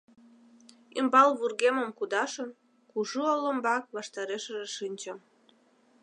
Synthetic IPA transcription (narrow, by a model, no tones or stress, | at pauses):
imbɑlβurɣeməmkud̪ɑʃən | kuʒuolombɑk̚βɑʃt̪ɑɾeʃəʒeʃinʲt͡ɕəm